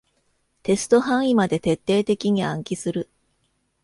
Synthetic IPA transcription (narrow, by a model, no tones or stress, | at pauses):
t̪e̞sɨ̥t̪o̞ɦãɰ̃imad̪e̞t̪e̞t̪ːe̞ːt̪e̞kʲiɲ̟iãŋkʲisɨɾɯ̟